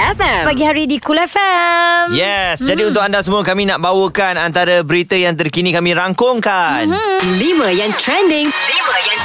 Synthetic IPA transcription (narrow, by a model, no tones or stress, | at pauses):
ɛppaɡihaɾidikulɛfɛmjɛsd͡ʒadiunt̪ʊkandas̬əmũəkamĩnaʔ̚bawəkanant̪aɾəbəɾit̪əjaŋt̪ərkinĩkamĩɾaŋkʊŋkanlimə̃jaŋt̪ɾɛndɪŋliməja